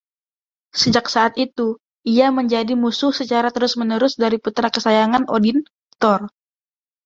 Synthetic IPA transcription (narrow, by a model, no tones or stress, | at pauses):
səd͡ʒaksaːt̪it̪u | iaməɲd͡ʒadimusʊhsət͡ʃaɾat̪əɾʊsmənəɾʊsdaɾiput̪ɾakəsajaŋanodin | t̪ɔr